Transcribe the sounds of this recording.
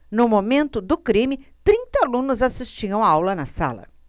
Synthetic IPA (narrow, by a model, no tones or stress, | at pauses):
nʊmomẽnt̪ʊd̪ʊkɾĩmɪt̪ɾĩnt̪ɐalũnʊzasist͡ʃiɐ̃w̃aawlɐnɐsa̰lɐ̰